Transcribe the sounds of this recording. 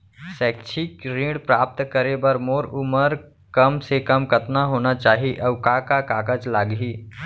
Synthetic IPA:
sɛːkt͡ʃʰikɾĩːɽpɾaːp̚t̪kəɾebɐɾmoːɾʊməɾ | kɐmsekɐmkɐt̪naɦoːnat͡ʃaːɦiʔɐʋkakakaːkəd͡ʒlaːɡɦiː

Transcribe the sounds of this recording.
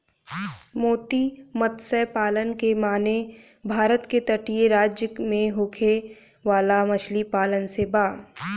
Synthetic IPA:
moːt̪imət̪səjpaːlənkemaːne | bʱaːɾət̪ket̪əʈijeɾaːd͡ʒjəkmẽɦoːkʰe | ʋaːlamɐt͡ʃʰlipaːlənsebaː

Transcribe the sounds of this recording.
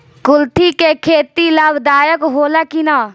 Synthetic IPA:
kʊlt̪ʰiːkekʰeːt̪iːlaːbd̪aːjəkɦoːlaːkinaː

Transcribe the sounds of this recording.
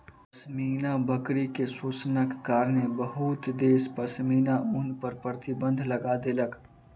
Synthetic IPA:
pəsminabəkɾikesut͡ʃnəkːaːɾnebəɦut̪d̪eːspəsminaunpəɾpɾət̪ibə̃nd̪ʱləɡad̪elək

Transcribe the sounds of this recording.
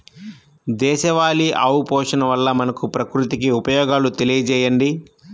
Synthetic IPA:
d̪ɛːʃɐʋaːliʔɐwpɔːʂɐnɐʋɐlːɐmɐnɐkupɾɐkɾut̪ikiupɐjɔːɡaːlut̪e̞lijɐd͡ʒɛːjɐɳɖi

